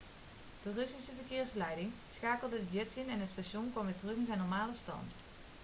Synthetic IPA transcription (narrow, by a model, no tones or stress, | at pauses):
d̥ərøsisəvərkɪːrslɛjdɪŋ | sxaːkl̩ˠdədədɛtsinɛnətstaʃjunkwɔmʋɪtərøxɪnzɛjnɔrmaːləstɑ̰nt